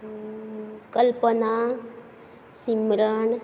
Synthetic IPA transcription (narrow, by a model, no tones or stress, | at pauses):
kəlpəna | simɾəɳ